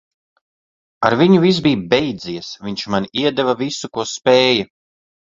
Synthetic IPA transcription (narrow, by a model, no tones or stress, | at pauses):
aɾviɲuvis̬biːbɛjd̪ziɛsviɲt͡ʃmanʲiiɛd̪ɛvavisukuɔspɛːja